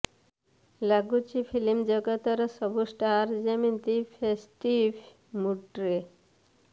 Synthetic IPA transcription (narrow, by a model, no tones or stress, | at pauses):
laɡut͡ɕifilimd͡ʒəɡət̪əɾsəbusʈaɾd͡ʑemint̪ifesʈiʋ | muʈɾe